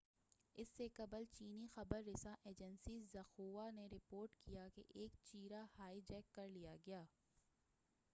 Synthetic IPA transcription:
ɪsːekɐbəlt͡ʃiːnixɐbəɾːɪsãʔeːd͡ʒənsizɐxoːʋaneɾɪpoːɾʈkijakḛʔeːkt͡ʃiːɾahaːid͡ʒɛːkːɐɾlijaɡɐjaː

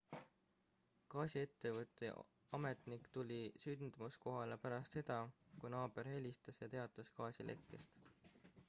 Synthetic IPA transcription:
kɑːsʲie̞t̪ːe̞vɤt̪ːˑḛ | ɑme̞t̪ˑnikt̪ulʲisynd̪̥musko̞ɦɑlepæɾɑst̪se̞d̪̥ɑkunɑːbe̞ɾhe̞lʲist̪ɑsjɑt̪e̞ɑt̪ːˑɑskɑːsʲilʔe̞̰kːˑe̞st̪

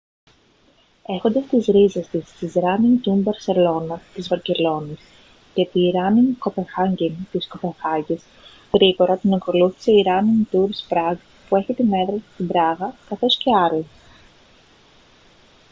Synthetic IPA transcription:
e̞xo̞nd̪ɐst̪izɾizest̪ist̪izɾɐniŋt̪umbɐɾse̞lo̞nɐt̪izvɐce̞lo̞nis | ce̞t̪iːɾɐniŋko̞pe̞nxɐɲɟint̪isko̞pe̞ŋxɐcis | ɣɾiɣo̞ɾɐt̪inɐko̞luθi̥se̞iɾɐnint̪uɾspɾɐɡ | pue̞çit̪ime̞ðɾɐsi̥st̪ibɾɐɣɐkɐθo̞sce̞ɐɾo

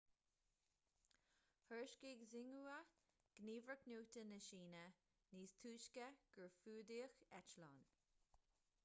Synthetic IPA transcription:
hɜɹʃkiɡzɪŋuə | ɡ̥niːvɹəknuːtənəʃiːnə | niːstʰuːʃkəɡ̥əɹfuːdiːxɛt͡ʃlɑːn

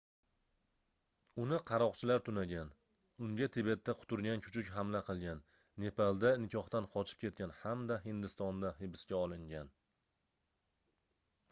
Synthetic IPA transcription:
ʊnɪqʰɑɾɒqt͡ʃʰɪlaɾt̪ʰʊnaɡʲan | ʊŋɡʲat̪ʰɪbet̪ʰːaqʰʊ̥t̪ʰʊɾɡʲankʲʰʊ̥t͡ʃʰʊkʲɦamlaqʰɨlˠɡʲanː | e̞pʰalˠd̪anɪkʲʰɒχt̪anqʰɒt͡ʃʰɪ̥p̚kʲʰe̞t̪̚kʲanhamd̪aɦɪnd̪ɪst̪ɒnd̪ahɪbɪskʲaɒlˠɪŋɡʲan

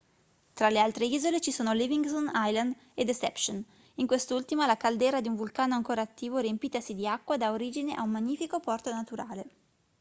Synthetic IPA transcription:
t̪ɾalealt̪ɾeiːzolet͡ʃisuːnoliviŋɡt̪onajland̪ | ed̪esɛ̰pson | iŋkwest̪ult̪imalakald̪ɛːɾad̪iuɱvulkaːnoaŋkoːɾaːt̪ːiːvoɾiempiːt̪asid̪iakːwad̪aoɾiːd͡ʒineʔa̰ummːaɲːiːfikopɔrt̪onat̪uɾaːle

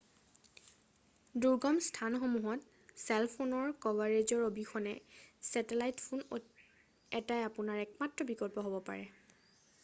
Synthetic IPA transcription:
duɹɡɔmstʰanxomuɦɔt | sɛlpʰonɔɹkɔvaɹezɔɹobixʰɔnɛ̰sɛtelajtpʰuno | ɛtajapunaɹɛkmatɹɔbikɔlpɔɦobɔpa̰ɹɛ

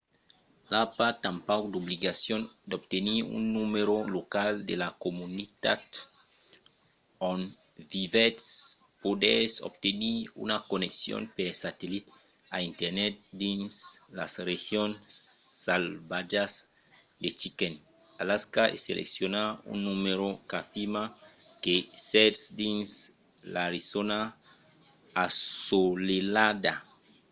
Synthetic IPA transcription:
lapat̪ãmpakd̪obliɡasjõnd̪obt̪eniṵnːumeɾolokald̪elakomunit̪a̰t̪ | õn | vivet̪s | pod̪eso̰b̚t̪eniṵnakoneksjo̰npeɾsat̪elit̪ | a̰int̪eɾnɛt̪̚d̪ĩnsla̰srexjonsːalbad͡ʒas | d̪et͡ʃiken | alaskaḛsḛlʔḛksjonaṵnːumeɾokafimakesetsd̪ins | laɾisona | asolelad̪a

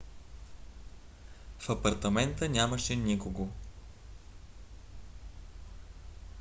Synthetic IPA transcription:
fɐpɐɾt̪ɐmɛnt̪ənʲaməʃɛnikoɡo

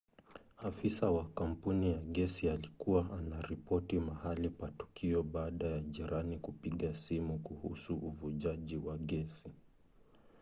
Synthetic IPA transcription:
afisawakam̩punijaɠɛsialikuwaʔanaɾipɔtimahalikwatu̥kʰiɔɓaːɗajaʄiɾʔanikupiɠasimukuhṵsuʔuvuʄaʄiwaɠɛsi

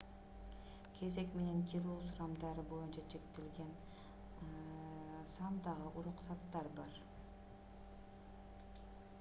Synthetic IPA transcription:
kʲʰe̞ze̞kme̞ne̞ŋkʰʲilˠoːsuɾɑmd̪ɑɾɯbo̞junt͡ʃɑt͡ʃʰe̞kt̪elɡe̞n | sɑmd̪ɑʁɯʔuɾuqsɑt̪ːɑɾbɑɾ

